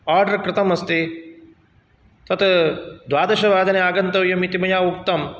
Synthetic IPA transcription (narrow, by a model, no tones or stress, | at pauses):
aːɾɖɐɾkɾɪt̪ɐmɐst̪i | t̪ɐt̪d̪ʋaːd̪ɐʃɐʋaːd̪ʱɐneaːɡɐnt̪ɐʋjɐmit̪imɐjaːuk̚t̪ɐm